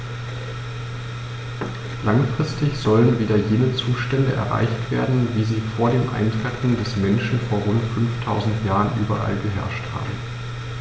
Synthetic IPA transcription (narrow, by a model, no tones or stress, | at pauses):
laŋfʁ̥ɪstɪçz̥ɔlənviːdɐjeːnət͡suːʃtɛndəʔɛ̰ɐʁa̰ɪçtv̥ḛːɐdn̩viːziːfoːɐdeːmʔa̰ɪntʁ̥ɛtŋ̩dɛsmɛnʃn̩foːɐʁʊntfʏnftʰaʊzn̩tjaːʁənʔy̰ːbɐ̰ʔa̰lɡəɦɛ̰ɐʃtha̰ːbm̩